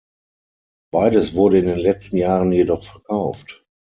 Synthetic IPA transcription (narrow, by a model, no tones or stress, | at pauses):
b̥aɪdəsv̥ʊɐɾəɪndeːnlɛt͡stn̩jaːʁənjedɔχfɛɐkʰaʊft